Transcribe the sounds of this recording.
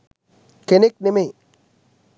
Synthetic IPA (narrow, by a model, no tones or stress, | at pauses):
kenɪk̚nɪme